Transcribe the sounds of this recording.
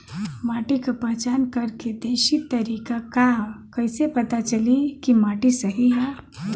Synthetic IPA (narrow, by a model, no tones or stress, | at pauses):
maʈikapəɦt͡ʃankəɾked̪eːʃit̪əɾikakakəɪsepət̪at͡ʃəlikimaːʈisəɦiɦɛ